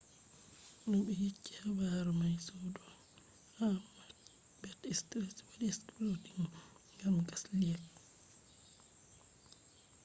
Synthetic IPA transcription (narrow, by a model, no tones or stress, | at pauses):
ɔnɔɓɛjikːi̥habaɾɔmajsɔdɔ | ha | bɛtɛstɾɛswadiskɾotiŋ | ɡamɡasliɛl